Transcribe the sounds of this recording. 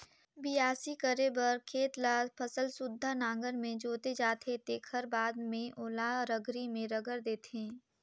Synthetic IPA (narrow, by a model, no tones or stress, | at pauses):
bijaːsikəɾebəɾkʰeːt̪laːpʰɐsəlsʊd̪ʱːanãːŋɡəɾmẽd͡ʒoːt̪ed͡ʒaːt̪ʰet̪eːkʰəɾbaːd̪mẽʔoːlaɾəɡɾimẽɾɐɡəɾd̪eːt̪ẽː